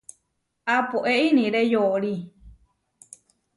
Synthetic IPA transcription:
apoʔeʔinĩɾejoɾi

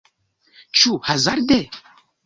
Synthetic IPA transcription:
t͡ʃʰuhazaɾd̪ɛ

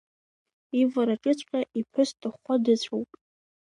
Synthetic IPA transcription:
ivaɾaʈ͡ʂʼɨt͡ɕʷʰkʲʼaʔipʰɨstʼɨχʷadɨt͡ɕʷʰowpʼ

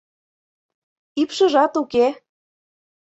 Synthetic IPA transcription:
ipʃə̆ʒɑt̪uke

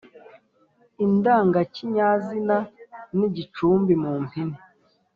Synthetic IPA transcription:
indaːŋɡaciɲaːzinaniɟit͡ʃuːmbimuːmpʰini

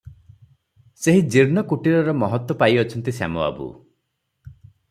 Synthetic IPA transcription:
seɦid͡ʒiɾnɔkuʈiɾɔɾɔmɔɦɔt̪wɔpajɔt͡ʃʰɔnt̪isa̰mɔa̰bṵ

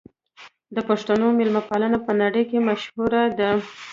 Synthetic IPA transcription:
d̪əpaʂt̪anomɪlmapalanapənaɽəjkemaʃhuɾad̪ə

